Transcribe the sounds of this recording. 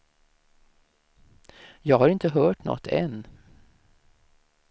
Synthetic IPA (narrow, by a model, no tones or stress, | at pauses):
jɑːɡhaɾɪnt̪əɦœːʈnɔ̰t̪ʰːɛ̰nː